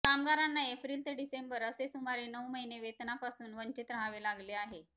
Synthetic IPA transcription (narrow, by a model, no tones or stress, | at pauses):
k̪amɡaɾanːaepɾiːlt̪eɖisembəɾəsesumaɾiːnəwməɦineʋet̪napasuːnʋəɲt͡ɕit̪ɾɦãʋelaɡleaɦe